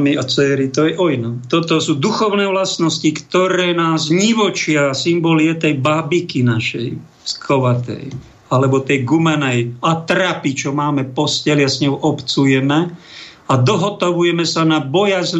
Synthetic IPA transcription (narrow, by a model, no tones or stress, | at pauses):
miat͡sɛːɾit̪ɔjɛʔɔjnɔt̪ɔt̪ɔsuːd̪uxɔʊnɛːʋlasnɔscikt̪ɔɾɛːnaːzɲiʋɔt͡ʃɪasimbɔliɛt̪ɛjbabikinaʃɛ̰j | skʰɔʋat̪ɛ̰j | alɛbɔt̪ɛjɡumɛnɛjat̪ɾapit͡ʃɔmaːmɛpɔscɛliasɲɔwʔɔpt͡sujɛmɛ | ad̪ɔɦɔt̪ɔʋujɛmɛsanabɔjazl